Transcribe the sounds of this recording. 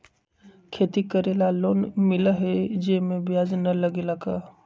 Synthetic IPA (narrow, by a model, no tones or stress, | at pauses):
kʰeːt̪ikəɾeːlaloːnmɪləɦɛd͡ʒemẽbjaːd͡ʒnɐləɡelaɡaː